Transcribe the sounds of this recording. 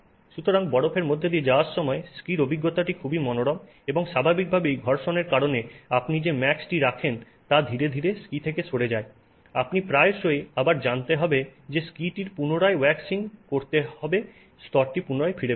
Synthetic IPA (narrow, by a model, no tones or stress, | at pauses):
ʃut̪ʰoɾaŋbɔɽopʰeɾmod̪ʱːed̪ied͡ʑaoaɾʃɔmɔeskiɾobiɡːot̪aʈikʰubimɔnoɽɔm | eboŋʃabʱabik̚bʱabejɡʱɔɾʃoneɾkaɾoneapnid͡ʑemɛksʈiɾakʰen | t̪ad̪ʱiɾed̪ʱiɾeskit̪ʰekeʃʰoɽed͡ʑae | a̰pnipɾaeɾʃoeabaɾd͡ʑant̪eɦɔbed͡ʑeskiʈiɾpunoɽaewɛksinkoɾt̪eɦɔbe | st̪ɔɾʈipunoɾaefʰiɾe